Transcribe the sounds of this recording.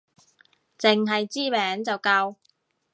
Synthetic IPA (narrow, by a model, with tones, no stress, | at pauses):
t͡sɪ˨ŋɦɐ˨jt͡siː˥mɛː˨˥ŋt͡sɐ˨wkɐ˧w